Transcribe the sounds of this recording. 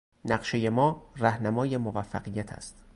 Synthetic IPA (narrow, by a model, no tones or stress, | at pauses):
næɢʃe̞jemɒːræhnæmɒːje̞movæfːæ̰ɢijæt̪ʰæ̰st̪